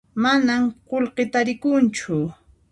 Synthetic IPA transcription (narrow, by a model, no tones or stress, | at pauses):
manamqolqet̪aɾɪkʊnt͡ʃʊ